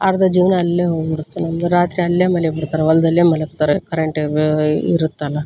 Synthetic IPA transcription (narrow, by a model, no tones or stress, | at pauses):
aːɾd̪ɐd͡ʒiːʋnɐːlːeːɦoɡbiɽut̪ːenɐmd̪uɾaːt̪ɾiɐlːeːmɐljbiɽt̪ːaːɾeʋɐlːɐd̪ɐlːeːmɐlekt̪aːɾekɐɾeɳʈ | ḭɾut̪ːɐlːɐ